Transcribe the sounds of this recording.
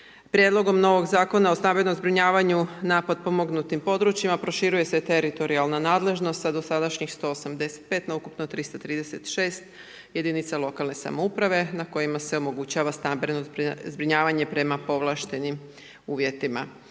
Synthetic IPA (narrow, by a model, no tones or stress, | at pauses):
pɾʲje̞d̪lˠo̞ɡo̞mno̞ʋo̞ɡzaːko̞naosnambenomzbɾiɲaːʋaɲunaːpad̪̚po̞mo̞ɡnut̪impo̞d̪ɾut͡ɕjimapɾo̞ʃiɾuje̞set̪e̞ɾit̪o̞ɾialˠnanaːd̪le̞ʒno̞st̪sad̪o̞sad̪aʃɲixst̪o̞ːosamd̪e̞se̥t̪̚pe̞ːt̪naukupnot̪ɾist̪at̪ɾiːd̪e̞se̞t̪ʃe̞ːst̪ | je̞d̪init̪salo̞kalne̞sa̰mo̞upɾaʋe̞nako̞jimase̞o̞mo̞ɡut͡ɕaʋasnambenozbzbɾiɲaːʋaɲe̞pɾe̞mapo̞ʋlˠaʃt̪e̞nim | uːʋje̞t̪ima̰